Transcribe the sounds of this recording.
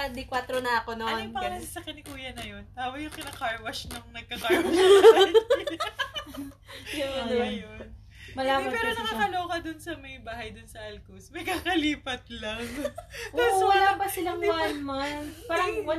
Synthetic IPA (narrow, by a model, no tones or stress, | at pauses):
ɐd̪ɪkwat̪ɾonɐʔɐko̞nonpɐɐɐsɐkɐnɪkuːjɐnɐjont̪aːwɐjʊŋkɪnɐkaɹwɐʃnɐŋnɐɡ̚kɐkaɹɐ | ɡɐnɛɐjon | mɐlaːbɐnpɛːɾonɐkakɐloːkɐd̪ʊnsɐmɐjbaːɦɐjd̪ʊnsɐʔɐlkusmɐjkakɐliːpɐt̪̚lɐŋʔasɐlaːbɐsɪlɐŋjamɐnpaːɾɐŋwɐ